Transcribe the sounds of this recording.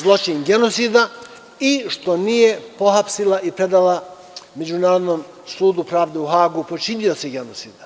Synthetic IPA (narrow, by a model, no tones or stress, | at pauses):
zlˠo̞t͡ʃiɲɡe̞no̞t̪sid̪a | iʃt̪o̞nije̞po̞ɦapsilaʔipɾe̞d̪ala | me̞d͡ʒunaːɾod̪noːm | suːd̪upɾaːʋd̪e̞uɦaːɡupo̞t͡ʃinio̞seɡe̞not̪siːd̪̥